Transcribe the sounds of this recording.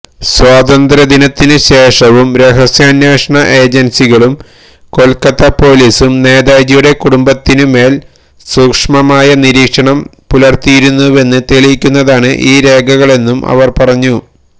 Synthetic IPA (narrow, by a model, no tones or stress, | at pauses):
swaːd̪ɐnd̪ɾɐd̪inɐt̪ːinɨɕe̞ːʂɐʋumɾeɦɐsjaːnjaːʂɐɳɐʔe̞ːd͡ʑɐnsiɣɐɭum | ko̞lkɐt̪ːɐpo̞ːliːsumne̞ːd̪aːjd͡ʑijuɽe̞kuɽumbɐt̪ːinume̞ːl | suːkʂmɐmaːjɐniɾiːkʂɐɳɐmpulɐrt̪ijiɾunːuʋe̞nːɨt̪elijikʲːunːɐðaːɳɨʔiːɾe̞ːɡʱɐɣɐɭe̞nːumɐ̰ʋɐrpɐrɐɲːu